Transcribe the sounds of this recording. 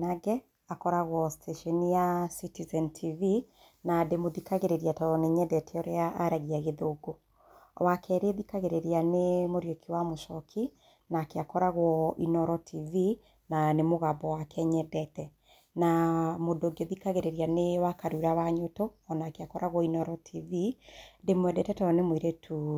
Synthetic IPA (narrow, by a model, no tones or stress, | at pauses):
naɡɛ | akɔɾaɣwɔsi̥tʰɛʃiɔnijasitizɛntʰivi | nademoðikaɣeɾeɾiatɔɔneɲɛdɛtʰɛɔɾeaʔaɾaɣiaɣeðoɡo | wakʰɛɾeðikaɣeɾeɾianemoɾjokʰiwamoʃɔkʰi | nakeakɔɾaɣwɔinɔɾɔtʰivi | nanemoɣabɔwakɛɲɛdɛtɛ | namodoɡeðikaɣeɾeɾianewakaɾuɾaβaɲotoɔnaːkeakɔɾaɣwɔinɔɾɔtʰividemwɛdɛtɛtɔɔnemwiɾetʰu